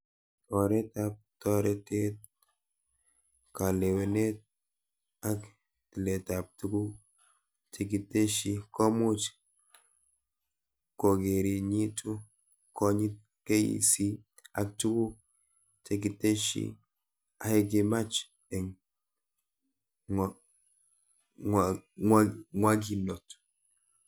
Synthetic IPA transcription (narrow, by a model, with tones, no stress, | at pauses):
tɔ˨ɾɛ˦tap̚tɔ˦ɾe˨te˦t̚ | ka˨le˨we˨ne˦t̚ | a˦k | ti˨le˨ta˨p̚tu˦ɡu˦ | tʰe˨ki˨te˦ʃi˦kɔ˦mu˦t͡ʃ | ko˨ɡe˨ɾi˨ɲi˦tu˦ | ko˦ɲi˦t̚ | ke˦jḭ˨si˦ | a˨k̚tu˦ɡu˦ | tʰe˨ki˨te˦ʃḭ˦ | a˨he˦ɡi˨ma˦t͡ʃ | ɛ˨ŋ | ŋaŋwa˦ɡi˨no˨t